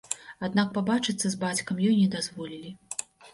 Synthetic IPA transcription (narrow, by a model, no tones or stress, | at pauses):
ad̪nak̚pabat͡ʂɨt̪sːɐzbat͡sʲkɐmjɔjnʲɛd̪azvɔlʲilʲi